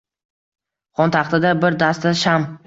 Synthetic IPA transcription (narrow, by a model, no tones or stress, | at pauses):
χɒnt̪ʰɑχt̪ɪd̪abɪɾd̪ast̪aʃam